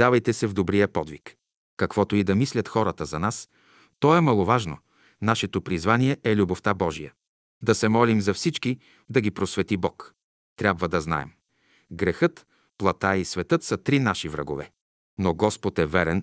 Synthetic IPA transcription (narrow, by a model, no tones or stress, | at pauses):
avɐjt̪ɛsɛvd̪obɾijəpɔd̪vik | kːɐkv̥ɔt̪oid̪ɐmislʲɐt̪xɔɾət̪əzɐnas | t̪ɔɛmɐlˠovaʒno̰ | naʃɛt̪opɾizvaniɛʔɛlʲuboft̪abɔʒijə | d̪ɐsɛmɔlimzɐfsit͡ʃki | d̪ɐɡipɾosvɛt̪ibɔk | t̪ɾʲabvəd̪ɐzna̰ɛ̰m | ɡɾɛxɤt̪ | plˠɐt̪aisvɛt̪ɤt̪sɐt̪ɾinaʃivɾɐ̰ɡo̰vɛ | noɡɔspot̪ɛvɛɾɛn